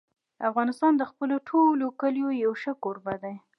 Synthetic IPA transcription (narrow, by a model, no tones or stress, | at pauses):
afɣɑnɪst̪ɑnd̪əxpəloʈʰolokəljojawʃəkoɾbad̪aj